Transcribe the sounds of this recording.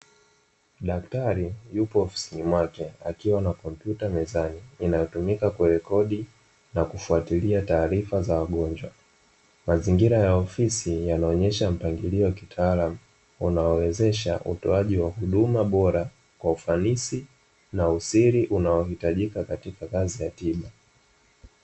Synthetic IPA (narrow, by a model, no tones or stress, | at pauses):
ɗaktaɾijupɔːfi̥sinimwakɛakiwanakɔm̩pjutamɛzaniːnajɔtumikakwɛɾɛkɔɗi | nakufuatiliataːɾifazawaɠɔɲd͡ʒwa | maziŋɡiɾajaɔfisijanaɔɲɛʃam̩paŋɡiliɔwakitʰaːlamu | unaɔwɛzɛʃa̰ʔṵtɔaʄiwahuɗumaɓɔɾa | kwaufanisi | nausiɾiʔunaɔhitaʄikakatikakazijatiɓa